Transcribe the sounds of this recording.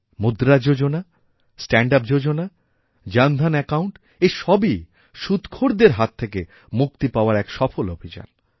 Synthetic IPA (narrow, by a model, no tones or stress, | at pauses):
mud̪ɾad͡ʑod͡ʑona | sʈɛɳɖap̚d͡ʑod͡ʑona | d͡ʑand̪ʱanɛkawɳʈ | eʃɔbi | ʃud̪kʰoɾd̪eɾɦat̪ʰːeke | muk̚t̪ipaoaɾɛkʃɔfolobʱid͡ʑa̰n